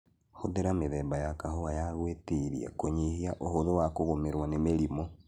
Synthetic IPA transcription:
hoðeɾameðɛːbajakaɦoajaɣweteɾḭa̰koɲehiaʔohoðowakoɣomeɾwanemeɾimo

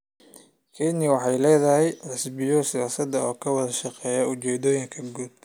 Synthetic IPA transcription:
kʰɛnɪjwɑħɑjlɛːðɐɦɛjħɪsbɪjɔsɪjaːsɐd̪ɐɔːkʰɐwɐðɐʃɑqɛːjɐʊt͡ʃɛːd̪ɔːjɪŋkʰɐɡuːd̪̥̚

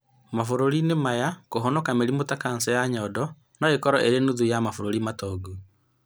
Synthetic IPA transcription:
mafoɾoɾinemajakoɦɔnɔkameɾimotakansɛjaɲɔdɔ | nɔekɔɾɔʔeɾenuðujamafoɾoɾimatɔːɡu

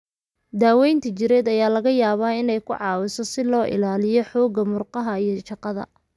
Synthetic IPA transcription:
d̪aːwɛjnt̪ʰɐt͡ʃɪɾɛːd̪ɐjaːlɐɣɐjaːβaːɪnɛjkʰʊʕɑːwɪsɔsɪlɔːʔɪ̰laːlɪjɔħɔːɡɐmʊrqɑɦɐijɞʃɑqɑðɐ̰

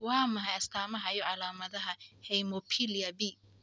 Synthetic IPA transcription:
wɑːmɐɦɐjɐst̪ʰaːmɐɦɐjɔʕɑlaːmɐðɐɦɐhɛjmɔpʰiliɐbi

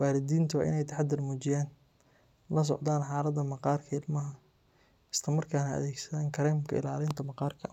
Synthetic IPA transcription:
waːɾɪd̪iːnt̪ʰʊw̰ʔɪ̰nɛjt̪ʰɐħad̪ɪrmuːt͡ʃɪjaːn | lɐs̬ɔ̰ʕd̪aːnħɑːlɐd̪ɐmɑqɑːrkʰɐɪlmɐɦɐ | ɪslɐmɐrkʰaːnɐɐ̰ðɛːɡsɐðaːŋkʰɐɾaːmkʰɐ̰ɪ̰laːlɪnt̪ʰɐmɐqɑːrkʰɐ

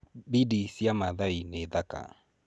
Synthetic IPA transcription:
bidisjamaðaineðaka̰

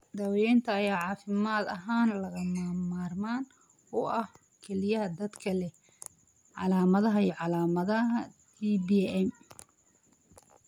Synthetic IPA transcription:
d̪ɐwjɛjnt̪ʰɐːjaːʕɑːfɪmaːd̪ɐɦaːnlɐɣɐmamaːrmaːn | ʊʔɐh | kʰɛlɪjɐɦɐd̪ɐd̪kʰɐlɛ | ʕɑ̰laːmɐðɐɦɐjɔʕɑlaːmɐðɐɦɐt̪ʰiːbiɛm

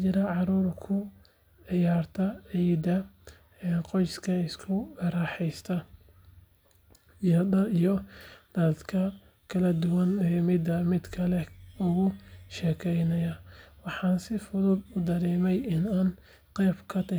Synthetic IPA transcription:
t͡ʃɪɾɐʕɑɾuːrkʰʊ | ʕɪjaːrt̪ʰɐʕid̪ɐ | ɛnqɔjskʰɐɪskʰʊɐɾɑːħɛjst̪ʰɐ | jɐd̪ɐijɔd̪̥ɐd̪kʰɐ | kʰɐlɐd̪ʊwɐnɛːmɪd̪ɐmɪd̪kʰɐlɛʊɣʊʃɛːkʰɛjnɐjɐwɑħɑːnsɪfʊðʊd̪ʊd̪ɐɾɛːmɛjɪnaːn | qɛːbkʰɐt̪ʰɐ

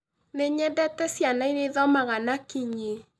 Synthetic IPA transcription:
neɲɛdɛtɛsjanaineðɔmaɣanakiɲe

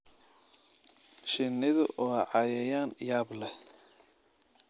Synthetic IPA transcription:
ʃɪnːɪðʊʔɔːʕɑjɛjaːnjaːblɛ

